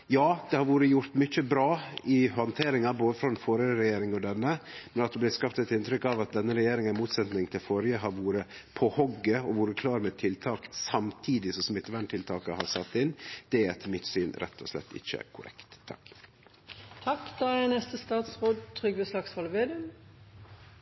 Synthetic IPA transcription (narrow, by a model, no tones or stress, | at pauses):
jɑːd̪̥ɛhɑɾʋuːɾəjʊɾt̪mʏçəbɾɑːɪhɔnt̪ʰeːɾɪŋɑɾboːd̪əfɾɔɛnfoːɾjəəɾɛjeːɾɪŋɔd̪ɛnːəmɛnɑt̪d̪ɛblɪskɑpt̪ɛt̪ɪnt̪ʰɾʏkːɑʋɑt̪̚d̪ɛnːəɾɛjeːɾɪŋəmuːt̪sɛt̪nɪŋt̪ʰɪlfoːɾjəɦɑɾʋuːɾəpʰɔhɔɡːəɔʋuːɾəkʰlɑːɾmɛt̪ʰɪlt̪ʰɑːksɑmt̪ʰiːd̪ɪsɔsɔmɪt̪ːəʋæɳʈ̪ʰɪlt̪ʰɑːkəhɑɾsɛt̪ːɪnd̪̥ɛæɾt̪ʰɪlmɪt̪syːnɾɛ̰t̪ʰːɔ̰ʂlɛ̰t̪ːɪ̰çːə̰kʰʊɾʔɛ̰kt̪ʰːɑ̰k | t̪ʰɑkːd̪̥ɑænɛst̪əst̪ɑːt̪sʁoːd̪t̪ʰʁʏɡʋeslɑksfɑːlʋeːd̪ʉm